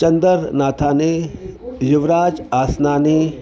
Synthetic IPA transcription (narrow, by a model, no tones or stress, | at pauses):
t͡ʃɐnd̪əɾnaːt̪ʰaːne | jɪʋɾaːd͡ʒaːsnaːneː